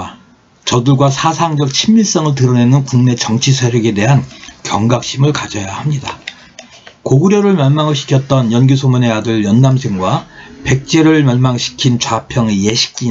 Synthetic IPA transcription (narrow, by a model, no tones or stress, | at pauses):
t͡ɕʌdɯɭɡwasʰasʰaŋd͡ʑʌk̚t͡ɕʰimːiɭs͈ʌŋɯɭt̬ɯɾʌne̞nɯnkuŋne̞t͡ɕʌŋt͡ɕʰisʰaɾjeɡe̞de̞ɦankjʌŋɡak̚ɕ͈imɯɭkad͡ʑʌjahamɲida | koɡɯɾjʌɾɯɭmjʌɭmaŋɯɭɕʰi̥kʰjʌt̚t͈ʌnjʌnɡisʰomune̞adɯɭjʌnːamsʰeŋɡwape̞k̚t͡ɕ͈e̞ɾɯɭmjʌɭmaŋɕʰi̥kʰint͡ɕwapʰjʌŋjeɕʰi̥k̚k͈i